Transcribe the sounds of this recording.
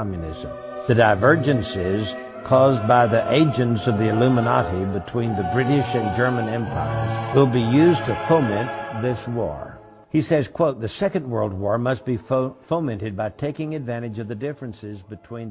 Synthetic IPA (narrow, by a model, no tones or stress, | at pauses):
ɑmjɨnɪ̰z̃m | ðɨdaɪvɜ˞d͡ʒɨ̃nsɪz̥ | kʰɔzbaɪðiʔeɪd͡ʒɨ̃ntsʌvðiɨlʉmənɑɾibɨtʰw̥ĩnðɨbɹɪɾɪʃɨ̃nd͡ʒɜ˞mɨ̃nɛ̃mpʰaɪə̰˞wɪlˠbijʉztʰɨfõʊmɛ̃nðɪswɔ̰ɹ | isɛz̥kʰw̥oʊt̪̚ðɨsɛkɨ̃nd̚wɜ˞lˠd̚wɔɹmʌs̚b̥ifõʊmɛ̃ntɨd̚baɪtʰeɪkɪ̃ŋɨdvæ̃ɾ̃ɨd͡ʒʌvðɨdɪfɹɨ̃nsɪzbɨtʰw̥ĩn